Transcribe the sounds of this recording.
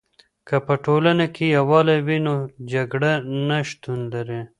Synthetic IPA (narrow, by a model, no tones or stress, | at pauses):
kəpəʈolanakʰejawɑlawinod͡ʒaɡɽanaʃt̪unlaɾe